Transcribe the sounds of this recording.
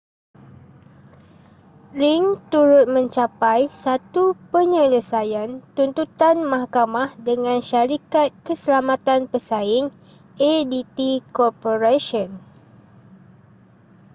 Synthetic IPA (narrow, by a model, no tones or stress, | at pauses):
ɾiŋt̪uɾʊt̪̚mə̃ɲt͡ʃapajsat̪upəɲələsajant̪unt̪ut̪anmãhkamahdəŋãnʃaɾikat̪̚kəsəlamãt̪anpəsaɪŋ | edit̪ikɔrpoɾaʃɔn